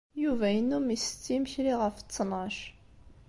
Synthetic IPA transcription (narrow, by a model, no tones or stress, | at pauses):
juvæjnumist͡sːimçɾiʁɑft͡sːnɑʃ